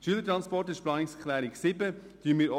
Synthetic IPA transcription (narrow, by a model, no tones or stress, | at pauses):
ʃyələtɾɑnspɔrtɪʃplɑːnɪkskʰlɛːɾɪksɪbə | tyənmiːɾɔ